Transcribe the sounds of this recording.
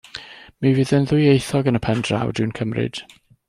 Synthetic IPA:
miviːðənðʊjejθɔɡənəpʰɛndra̰wdɪwnkʰəmrɪ̰d̥

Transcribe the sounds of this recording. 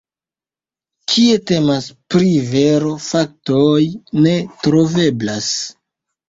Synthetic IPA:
kʰie̞te̞maspɾiveɾo̞fak̚tojne̞tɾo̞ve̞blas

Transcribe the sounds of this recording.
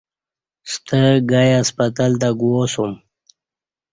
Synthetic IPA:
st̪əɡajaspat̪alt̪aɡwosum

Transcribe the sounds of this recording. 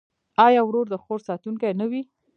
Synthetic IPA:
ɑjɑwɾoɾd̪əxoɾsɑt̪uŋkajnawi

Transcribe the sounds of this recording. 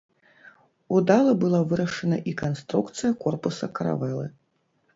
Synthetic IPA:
ud̪alˠɐbɨlˠavɨɾɐʂɐnɐʔikanst̪ɾukt̪sɨjɐkɔrpusɐkɐɾa̰vɛlˠɨ̰

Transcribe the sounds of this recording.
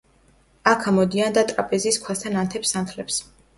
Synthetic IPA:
akʰamɔd̪iand̪at̪ʼɾapʼɛziːskʰwast̪ʰanant̪ʰɛpsːant̪ʰlɛps

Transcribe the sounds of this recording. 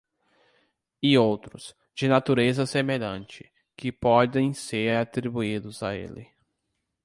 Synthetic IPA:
ɪowt̪ɾʊs | d͡ʒɪnat̪uɾezɐsemeʎɐ̃nt͡ʃɪ̥ | kɪpɔd̪ẽj̃seɾat̪ɾibuid̪ʊzaḛlɪ̰

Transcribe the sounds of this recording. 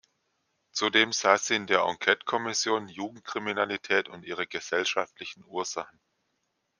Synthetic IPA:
t͡sudeːmz̥aːz̥iːɪndeːɐʔɔ̰ŋkʰɛtkʰɔmɪsjoːnjuːɡŋ̩t̚kʁ̥iminalitʰɛːtʊntʔiːʁ̞əɡəz̥ɛlʃaftlɪçn̩ʔuːɐz̥aχn̩

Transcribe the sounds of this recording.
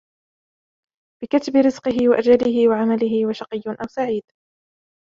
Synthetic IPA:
b̥ɪkat̪bɪɾɪzqɨɦɪwaʔad͡ʒalɪɦɪwaʕamalɪɦɪwaʃɑqɨjːʊʔawsaʕiːd̪̥

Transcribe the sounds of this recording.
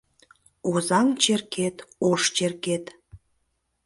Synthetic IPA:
ozɑŋt͡ɕerket̪oʃt͡ɕerket̪

